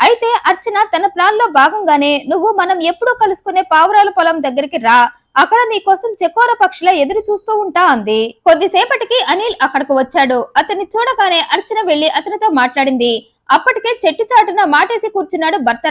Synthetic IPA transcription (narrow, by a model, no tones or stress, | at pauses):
ɐjit̪e̞ːʔɐɾt͡ʃɐnɐt̪ɐnɐplaːnlo̞ːbʱaːɡɐŋɡaːne̞ːnuʋːumɐnɐme̞pːuɽukɐlusu̥kune̞ːpaːʋɾaːlɐpɔlɐmd̪ɐɡːɐɾikiɾaː | ɐkːɐɽɐniːkɔːsɐmt͡ʃekːɔːɾɐpɐkʂɐlɐe̞d̪uɾut͡ʃuːst̪uːuɳʈaːɐnd̪iko̞d̪ːisɛːpɐʈikiʔɐniːlɐkːɐɽɐkuʋɐt͡ʃːaːɽuɐt̪ɐnit͡ʃuːɽɐɡaːne̞ːʔɐɾt͡ʃɐnɐʋe̞ɭːiʔɐt̪ɐnit̪o̞ːmaːʈlaːɽind̪i | ɐpːɐʈike̞ːt͡ʃe̞ʈːut͡ʃaːʈunɐmaːʈe̞ːsikuːɾt͡ʃunːaːɽubʱɐɾt̪ɐ